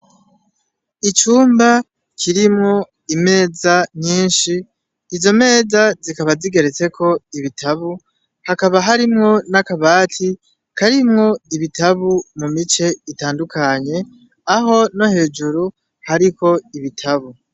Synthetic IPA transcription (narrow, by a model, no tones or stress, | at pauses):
it͡ʃuːmba | kʰiɾimŋo̞ | ime̞ːzaɲiːnʃiː | zo̞me̞ːzazikaβaziɡe̞ɾet͡se̞kʰo̞iβitʰaβu | hakaβaɦaɾimŋo̞nakaβaːtʰi | kʰaɾimŋo̞iβitaβumumit͡ʃe̞itaːndukʰaɲe̞ | aɦo̞no̞he̞ːd͡ʒuɾu | haɾiko̞iβitʰaβu